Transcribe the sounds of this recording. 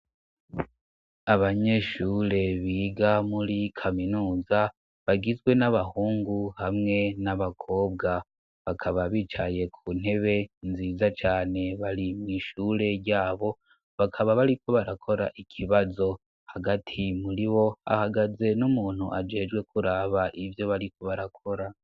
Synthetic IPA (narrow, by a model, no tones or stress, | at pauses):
aβaɲe̞ʃuːɾe̞βiːɡamuɾikʰaminuːza | βaɡizɡwe̞naβahuːŋɡuhamŋe̞naβakʰo̞ːbɡa | βakʰaβaβiːt͡ʃaje̞kʰun̥he̞βe̞nziːzat͡ʃaːne̞βaɾimŋiːʃuːɾe̞ɾɟaːβo̞ | βakʰaβaβaɾikʰo̞βaɾakʰo̞ɾa̰ʔikʰiβazo̞ | haɡatʰimuɾiβo̞a̰haɡaze̞numuːn̥hṵʔad͡ʒe̞ːd͡ʒɡwe̞kʰuɾaβaʔivjo̞βaɾiko̞βaɾakʰo̞ɾa